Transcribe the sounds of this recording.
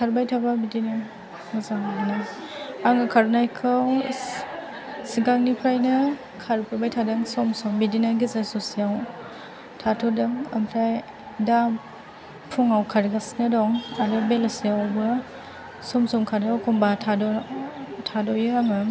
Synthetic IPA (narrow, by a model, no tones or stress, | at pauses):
kʰaɾbajtʰababidina | mazaŋana | aŋɯkʰaɾnajkʰɯw | siɡaŋnipʰɾajnɯ | kʰaɾpʰɯbajtʰadɯŋsɔmsɔmbidinaɡizasosiaw | tʰatʰɔdɯŋampʰɾaj | dam | pʰuŋawkʰaɾɡasnadɔŋaɾɯbelasiawbɯ | sɔmsɔmkʰadawkʰɔmbatʰadɔ | tʰadɔjɯaŋɯ